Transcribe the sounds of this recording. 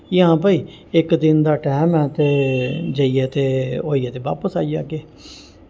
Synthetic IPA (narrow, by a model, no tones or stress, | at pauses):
jãːp̬əiː | ɪkd̪ɪnd̪aːʈɛɦɛːmɛ̃ːt̪eːd͡ʒəiːɛːt̪eːoːiɛːt̪eːʋa̰ːpəsaːija̰ːɡeː